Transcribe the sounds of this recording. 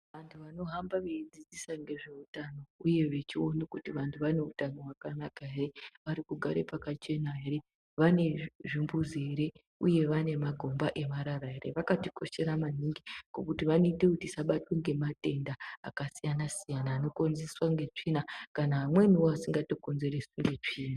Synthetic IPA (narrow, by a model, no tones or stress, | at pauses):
ʋantʰuʋano̞ɦambaʋeid͡zid͡zisaŋɡe̞ʐe̞utano̞uje̞ʋe̞t͡ʃio̞nekutiʋantʰuʋane̞utano̞ɦwakanakaɦere̞ʋaɾikuɡʱaɾe̞̰pakat͡ʃe̞naɦe̞ɾe̞ | ʋane̞ʐimbuzeɾe̞ | uje̞ʋane̞maɡʱo̞mbaʔe̞maɾaɾaerḛʋakatiko̞ʃe̞ɾamaniŋɡikokutiʋano̞itekutisaɓatweŋɡe̞mate̞nda̰ːkasijanasijanaːno̞ko̞nzeswaŋɡe̞t͡ʂiːnakanaɦamwe̞nioasiŋɡato̞ko̞nze̞ɾe̞suŋɡe̞t͡ʂiːna